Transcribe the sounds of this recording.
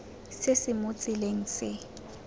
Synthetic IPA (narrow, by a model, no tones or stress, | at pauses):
sesɪmʊt͡sʼɪleŋ̩sɪ